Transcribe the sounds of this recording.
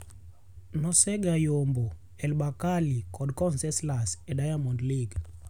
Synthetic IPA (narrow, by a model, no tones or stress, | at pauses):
nɔsɛɡajombɔ | ɛlɓakalikɔdkɔnsɛslasɛdajamɔndliɡ